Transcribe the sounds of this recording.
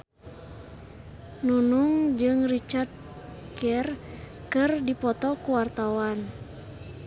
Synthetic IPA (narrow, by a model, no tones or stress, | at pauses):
nunuŋd͡ʒɨŋrit͡ʃard̪̚ | kɛr | kɨrdipɔt̪ɔkuwart̪awan